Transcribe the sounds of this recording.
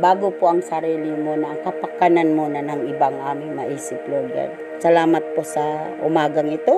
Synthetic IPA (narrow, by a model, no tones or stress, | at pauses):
baːɡopoʔɐŋsɐɾiːlɪmonɐʔŋkɐpɐkananmonanɐŋɪbaŋʔaːmɪŋmɐʔiːsɪploːɡɛ̰l | sɐlaːmɐt̪̚posɐʔʊmaːɡaŋɪt̪o